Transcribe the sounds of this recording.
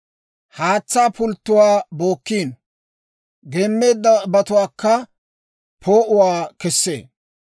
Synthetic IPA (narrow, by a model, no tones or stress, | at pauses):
haːt͡sːaːpʊlt̪ːʊwaːbo̞ːkːiːn | ɡeːmːe̞ːd̪ːɐbɐt̪ʊwaːkːɐ | pʰoːʔʊwaːkɛsːḛː